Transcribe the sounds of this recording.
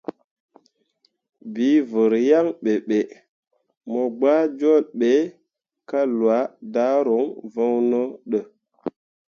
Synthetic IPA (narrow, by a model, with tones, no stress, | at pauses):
bi˨˦və˨ɾja˦ŋɓe˨ɓe˨ | mo˨ɡ͡ba˦d͡ʒo˦˨lɓe˨˦ | ka˦lwa˨˦da˦ɾo˨˦ŋvə˦wnə˦ɗə˨